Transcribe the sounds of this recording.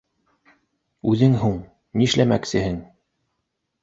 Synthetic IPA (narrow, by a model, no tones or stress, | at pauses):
ʉðɘŋɦuɴ | niʃlæmæksɘ̆hɘŋ